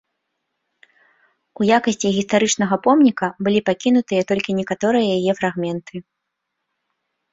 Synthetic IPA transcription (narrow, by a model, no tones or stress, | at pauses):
ujakɐsʲt͡sʲiɣʲist̪aɾɨt͡ʂnɐɣɐpɔmnʲikɐbɨlʲipakʲinut̪ɨjɐt̪ɔlʲkʲinʲɛkat̪ɔɾɨjɐjajɛfɾaɣmʲɛnt̪ʰɨ